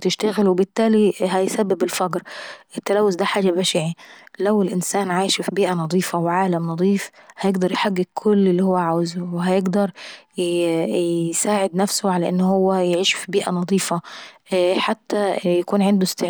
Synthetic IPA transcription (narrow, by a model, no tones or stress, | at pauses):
t̪ɪʃt̪aɣɪlwɪbɪt̪ːaːliɦæjsæbːɪbɪlfɑɡɾʔɪt̪ːalaːwːʊsd̪æħaːd͡ʒabaʃiʕilæwɪlʔɪnsaːnʕaːjʃfibiːʔanɑd̪ˤiːfɑwʕaːlamnɑd̪ˤiːfhæjɪɡd̪ɑɾˤjħaɡːɪkʰːʊlːɪlːiːhʊwːæʕaːwɪzʊwɪɦæjɪɡd̪ɑɾˤ | saːʕɪd̪næfsʊʕalæʔɪnːhʊwːæjʕiːʃfibiːʔanɑd̪ˤiːfɑ | ħat̪ːajakuːnʕɪnd̪ʊst̪ɪʕ